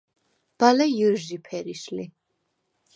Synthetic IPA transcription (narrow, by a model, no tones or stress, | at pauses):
b̥alɛjuɾʒipʰɛɾiʃli